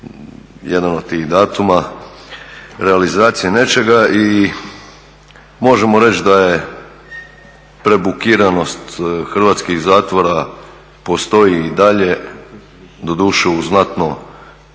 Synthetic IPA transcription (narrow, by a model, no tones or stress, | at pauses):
jed̪ano̞d̪̚t̪iːxd̪aːt̪uma | ɾealizaːt̪sijene̞t͡ʃe̞ɡaʔi | mo̞ʒe̞mo̞ɾe̞t͡ʃd̪aje̞ | pɾe̞bukiːɾano̞st̪xr̩ʋat̪skixzaːt̪ʋo̞ɾa | po̞st̪o̞iːd̪aʎe̞ | d̪o̞d̪uːʃɛuznat̪no